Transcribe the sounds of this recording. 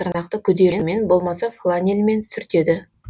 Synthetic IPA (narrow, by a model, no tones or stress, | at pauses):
əɾnɑqt̪əkʲʰʏd̪e̞me̞nbo̞lˠmɑsɑflˠanʲelʲme̞nsʏɾt̪e̞d̪ɪ